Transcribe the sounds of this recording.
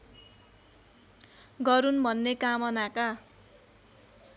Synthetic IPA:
ɡʌɾunbʱʌnːekamʌnaka

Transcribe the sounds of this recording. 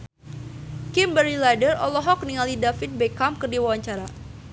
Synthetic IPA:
kimbəɾilajdərɔlɔɦɔk̚niŋalidafit̪̚bekamkərdiwawaɲt͡ʃaɾa

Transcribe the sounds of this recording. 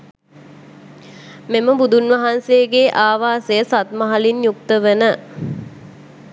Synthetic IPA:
meməbud̪unʋɐɦansejəɡeʔaːʋaːsejəsat̪məɦalinjuk̚t̪əʋənə

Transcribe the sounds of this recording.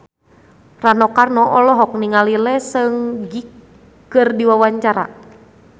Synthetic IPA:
ranɔkarnɔʔɔlɔɦɔk̚niŋalilɛsɨŋɡikː | ɨrdiwawaɲt͡ʃaɾa̰

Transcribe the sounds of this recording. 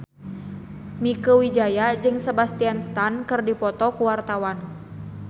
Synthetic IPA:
mikəwid͡ʒajad͡ʒɨŋsebast̪ianst̪ankɨrdipɔt̪ɔkuwart̪awan

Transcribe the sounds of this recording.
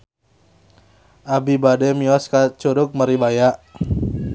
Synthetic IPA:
ʔabibadɛmiɔskat͡ʃuɾʊk̚məɾibajaʔ

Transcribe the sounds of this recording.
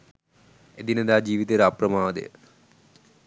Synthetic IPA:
ed̪ined̪aːd͡ʑiːʋit̪eɾaprɐmaːd̪ḛjə̰

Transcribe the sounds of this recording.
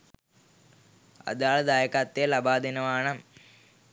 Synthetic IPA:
ɐ̰ðaːɭd̪aːjɐkːaːt̪ːijɐlɐbaːd̪ʱinɐmaːɳɐ

